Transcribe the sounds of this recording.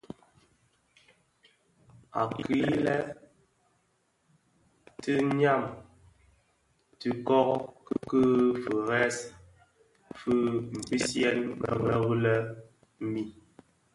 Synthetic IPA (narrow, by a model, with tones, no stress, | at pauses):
a̰˨kʰi˨˦lɛ˦ | tɨ˦ɲa˦˨m | tɨ˨kɔ˦ɣkɨ˦kɨ˦fə˨ɣɛ˦s | fʉ˦m̩˨pi˦sjɛ˦nmə̰˨ɣɛ˦ɣu˦lə˦ | m̩˦mi˦˨